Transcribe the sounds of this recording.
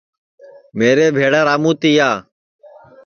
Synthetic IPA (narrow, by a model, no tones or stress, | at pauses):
meːɾeːbʱeːɽaːɾaːmũːt̪iːjaː